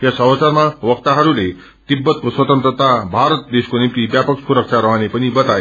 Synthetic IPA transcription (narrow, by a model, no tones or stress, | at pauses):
ɦjasəɦət͡saɾmaʋəkt̪aɦəɾule | t̪ibːət̪̚kosʋət̪ənt̪ɾət̪abʱaɾət̪̚d̪eskonimt̪ibjapəksuɾəkʂʰaɾəɦanepəñibət̪a